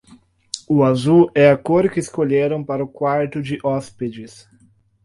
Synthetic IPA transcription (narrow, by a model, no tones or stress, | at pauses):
ʊazuɛakoɾkɪːskoʎeɾɐ̃w̃paɾɐʊkwaɾt̪ʊd͡ʒɪʔɔsped͡ʒɪs